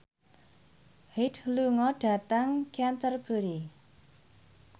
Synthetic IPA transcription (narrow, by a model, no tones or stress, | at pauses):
hidluŋɔɖ̥a̤t̪əŋkiant̪ərb̥ə̤ɾi